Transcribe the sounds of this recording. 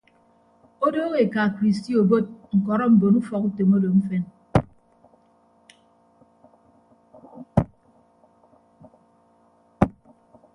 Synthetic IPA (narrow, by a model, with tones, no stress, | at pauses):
o˦do˦ɣe˨ka˨kɾi˨s̬ti˦o˨bo˦t̚ŋ̩˨kɔ˨ɾɔ˦m̩˨bo˨nu˦fɔ˨ku˦to˨mo˦do˨m̩˦fɛ˦n